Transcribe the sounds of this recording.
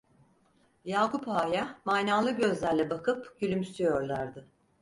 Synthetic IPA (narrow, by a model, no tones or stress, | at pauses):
jaːkʰupaːjamajnaːlˠɯɟøzlʲæɾlʲɛbakʰɯpɟ̥ylʲymst̪ʰyjoɾlˠaɾd̪ɯ